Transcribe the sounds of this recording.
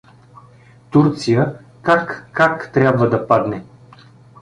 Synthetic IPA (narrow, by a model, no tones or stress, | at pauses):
t̪uɾt̪sijəkakːakt̪ɾʲabvəd̪ɐpad̪nɛ